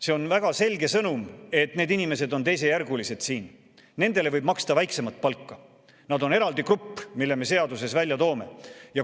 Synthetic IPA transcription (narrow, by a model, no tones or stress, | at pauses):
se̞o̞nvæɡ̥ɑse̞lʲɡe̞sɤnume̞t̪ne̞ːd̪inime̞se̞d̪o̞nt̪e̞js̬e̞jærɡulise̞d̪̥siːn | ne̞nd̪̥e̞le̞vɤjb̥mɑkst̪ɑvæjkse̞mɑt̪̚ˑpɑlkːɑ | nɑd̪o̞ne̞ɾɑld̪ikrupːmilːe̞me̞se̞ɑd̪use̞svælʲjɑt̪oːme̞jɑ